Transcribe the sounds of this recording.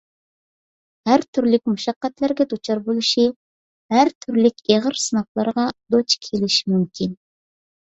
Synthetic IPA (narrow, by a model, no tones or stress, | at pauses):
hæɾt̪ʰyɾlɪk̚ʲmuʃɑqːɛt̪læɾɡʲɛd̪ot͡ʃʰɑɾbolˠɨʃi | hæɾt̪ʰyɾlɪkʲeʁəɾsɨnɑχlˠɑɾʁɑd̪ot͡ʃkʲʰelɪʃi̥mymkʲʰin